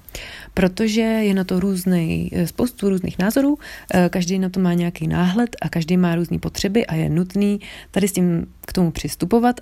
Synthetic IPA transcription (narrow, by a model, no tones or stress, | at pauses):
pɾo̞t̪o̞ʒɛjɛnat̪oɾuːznɛjspo̞wst̪uɾuːznḭːxnaːzo̞ɾuːkaʒdɛjnat̪omaːɲɛjakijnaːɦlɛt̪ʔakaʒdijmaːɾuːznḭːpo̞t̪r̝̥ɛbɪʔajɛ̰nut̪niːt̪adɪscim | kt̪omupr̝̥ɪst̪upo̞vat̪